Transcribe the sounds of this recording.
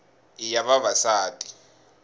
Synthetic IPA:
ijaβavasaːtʼi̥

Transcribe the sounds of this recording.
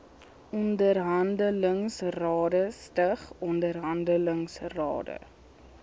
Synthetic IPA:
ɔndərɦɐndələŋsrɑːdəstəχɔndərɦɐndələŋsrɑ̰ːdə̰

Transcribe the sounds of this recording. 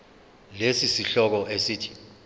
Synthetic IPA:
lesisiɬɔk̬ɔʔesiːtʰi̥

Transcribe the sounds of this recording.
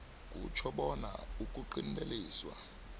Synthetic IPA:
k̬ʼṵt͡ʃʰɔɓɔna̰uk̬ʼuǃin̩leliːswa̰

